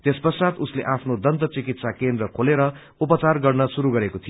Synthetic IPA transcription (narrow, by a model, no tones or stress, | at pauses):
t̪espʌsat̪usleʔapʰnod̪ʌnt̪ʌt͡sikit̪sakend̪rʌkʰoleɾʌ | upʌt͡sarɡʌrnʌsuɾuɡʌɾekot̪ʰijo